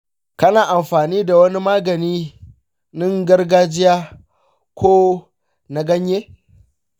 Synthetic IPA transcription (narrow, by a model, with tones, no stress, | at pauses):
kɐ˦naː˨ʔa˨mɸaː˨niː˦da˨wɐ˦ni˦maː˦ɡɐ˨niː˦ | nɪ˦ŋɡɐ˦rɡaː˦d͡ʒɪ˦jaː˦ | kʷʰoː˦ | na˨ɡɐ˦ɲjeː˦